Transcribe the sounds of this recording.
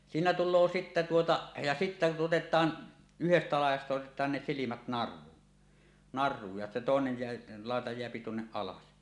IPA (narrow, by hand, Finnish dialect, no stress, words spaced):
siːnæ tulˑoː sitːæ tuotɑ jɑ sitːæ otetˑɑːn yhestæ lɑˑijˑɑstɑ otetˑɑːn ne silimæt nɑrˑuːn nɑrˑuːj jɑ toˑenej jeæ lɑˑetɑ jeæpi tuonːeʔ ʔɑlɑs